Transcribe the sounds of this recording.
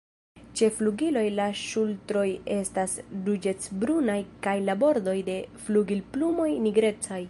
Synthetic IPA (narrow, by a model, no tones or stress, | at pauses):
t͡ʃe̞fluɡilo̞jlaʃultɾo̞je̞stasdud͡ʒe̞t͡sbɾunajkajlabo̞ɾdo̞jde̞fluɡilplumo̞jniɡɾe̞t͡saj